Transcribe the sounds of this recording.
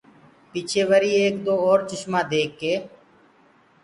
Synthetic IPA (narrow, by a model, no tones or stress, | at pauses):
piːt͡ʃʰeːʋəɾiːeːkd̪oːɔːɾt͡ʃʊʃmãːd̪eːkːeː